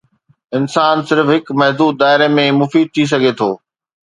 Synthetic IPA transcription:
ɪnsaːnsɪɾfɦɪkmɛɦd̪uːd̪̚ːaːɪɾemẽmʊfiːd̪̚t̪ʰis̬ɐɡʱet̪ʰoː

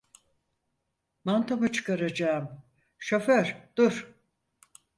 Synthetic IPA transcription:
mant̪ʰamat͡ʃʰɯ̥kaɾad͡ʒaːm | ʃøføɾ̥d̪̥uɾ̥

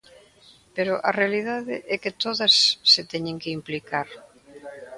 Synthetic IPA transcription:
peɾʊʔɐrealið̞aðɪʔɛkɪt̪oðɐsːet̪ɛɲẽŋkeimplikaɾ

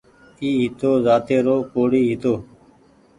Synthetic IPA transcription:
iːɦɪt̪oːzaːt̪eːɾoːkoːɽiːɦɪt̪oː

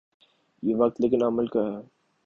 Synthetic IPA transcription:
jeʋɐk̚t̪leːkɪnɐməlkaɦɛː

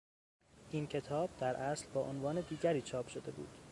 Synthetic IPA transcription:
ʔiːncʰe̞t̪ʰɒːb̚d̪æɾʔæslbɒːʔonvɒːne̞d̪iːɟæɾiːt͡ʃʰɒːpʰʃod̪e̞bṵːd̪̥

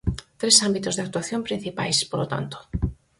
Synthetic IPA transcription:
t̪ɾesambit̪ozðak̚t̪waθjõmpɾin̟θipa̰jspolot̪a̰nt̪o̥

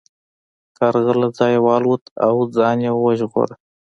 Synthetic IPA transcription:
kɑɾɣəlad͡zɑjwɑːlwut̪ʰa̰wd͡zɑːnjewwəʒɣo̰ɾa

